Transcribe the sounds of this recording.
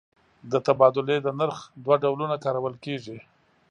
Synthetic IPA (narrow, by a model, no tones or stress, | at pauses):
d̪ət̪abɑd̪ʊled̪ənaɾxd̪waɖawlunakɑɾawəlkeʐi